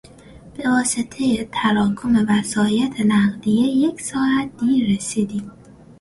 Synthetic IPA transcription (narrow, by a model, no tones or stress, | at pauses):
b̥e̞vɒːse̞t̪ʰejet̪ʰæɾɒːkʰo̞me̞væsɒːjæt̪ʰe̞næɢd̪ije̞je̞csɒːæt̪̚d̪iːɾesiːd̪iːm